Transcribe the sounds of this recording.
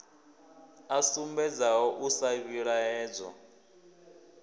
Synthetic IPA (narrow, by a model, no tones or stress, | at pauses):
asumbɛd͡zaɦɔʔusaβiɺaɛːd͡zɔ̰